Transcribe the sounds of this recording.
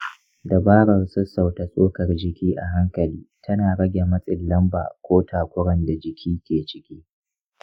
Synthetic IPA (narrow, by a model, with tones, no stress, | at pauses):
da˨baː˦ɽɐ˨rsʊ˦sːa˨wta˨sʼoː˦kɐ˨rd͡ʒɪ˨kʲiː˦ʔa˨ɦa˦ŋkɐ˨liː˦tʰɐ˦naː˨ɽɐ˦ɡʲe˨mɐ˦sʼɪ˨lːɐ˦mba̰ː˨kʷoː˦taː˨kʷʊ˦ɽɐ˨nda˨d͡ʒɪ˨kʲʰiː˦kʲeː˨t͡ʃɪ̥˦kʲiː˦